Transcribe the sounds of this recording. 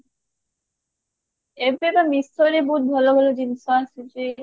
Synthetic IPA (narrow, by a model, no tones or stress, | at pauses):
ebebamist̪oɾebut̪̚bʱɔloɡɔlod͡ʑinsasud͡ʑi